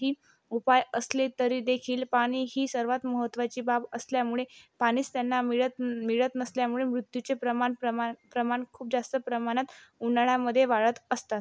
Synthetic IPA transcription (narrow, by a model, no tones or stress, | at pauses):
ɦiː | upajəslet̪əɾiːd̪ekʰiːlpaɽ̃iːɦiːsəɾʋat̪məɦət̪ːʋat͡ɕiːbabəsljamuɭepaɽ̃iːt͡st̪janːamiɭət̪miɭət̪nəsljamuɭemɾut̪jut͡sepɾəmanpɾəmankʰuːp̚d͡zast̪əpɾəmaɽ̃at̪unaɭjaməd̪ʱːjeʋaɭət̪əst̪at̪